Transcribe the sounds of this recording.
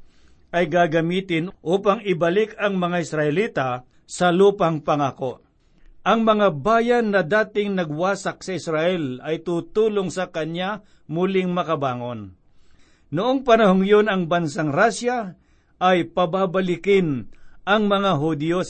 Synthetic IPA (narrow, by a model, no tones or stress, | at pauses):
ʔɐjɡaːɡɐmiːt̪ɪnʔuːpaŋɪbɐlɪkɐŋmɐŋaɪsɾɐʔɛliːt̪a | sɐluːpɐŋpɐŋaːkoʔ | ʔɐŋmɐŋabaːjanːɐd̪aːt̪ɪŋnɐɡwaːsɐk̚sɐɪsɾaʔɛlɐjt̪uːt̪uːloŋsɐkɐɲa | mʊlɪŋmɐkɐbaːŋon | nʊʔoŋpɐnɐhoŋjonɐŋbɐnsaŋɾaːʃja | ʔɐjpɐbaːbɐlɪkɪnʔɐŋmɐŋaɦʊd̪jo